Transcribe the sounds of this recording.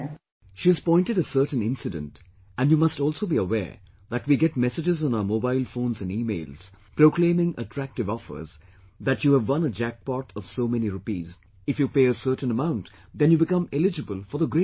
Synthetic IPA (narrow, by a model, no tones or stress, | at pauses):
ʃiɨz̥pɔ̃ɪ̃nʈɨɾəsəɾʈn̩ɪ̃nsɪdə̰̃nt | ʔæ̃njuːmʌstɔːlˠsoʊbiəwɛ̰ːɹ | ðætwiɡɛt̚mɛsɪd͡ʒɪzɔ̃naʊə˞moːbaɪlfõːnzæ̃niːmeɪlz̥ | pɾoklẽɪmɪ̃ŋʔə̰ʈʰɾæk̚ʈɨvɔfə̰˞z | ðætjuævːʌ̃nəd͡ʒæk̚pɔʈʰɔv̥soːmɛniɾʊpḭːz | ɪfjupeɪəsɜɾʈn̩əmãʊ̃nt | d̪ɛ̃njubɪkʌ̃mɛlɪd͡ʒəbəlˠfɔ˞ðəɡɾe